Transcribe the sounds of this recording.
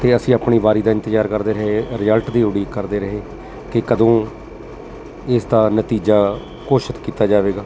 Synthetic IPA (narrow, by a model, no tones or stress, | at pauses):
t̪eːəsĩːaːpɳiːʋaːɾiːd̪aːɪ̃nt̪əd͡ʒaːɾkəɾd̪eːɾəɦeːɾɪjəlʈd̪iːʊɽiːkəɾd̪eːɾəɦeː | kɪkəd̪õː | ɪsd̪aːnət̪iːd͡ʒaː | koːʃət̪kiːt̪aːd͡ʒaːʋeːɡaː